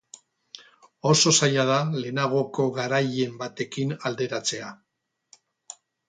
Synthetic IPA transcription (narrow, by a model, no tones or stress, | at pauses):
o̞so̞sajað̞ale̞naɣ̞o̞ko̞ɣaɾaje̞mbat̪e̞kinald̪e̞ɾat͡se̞a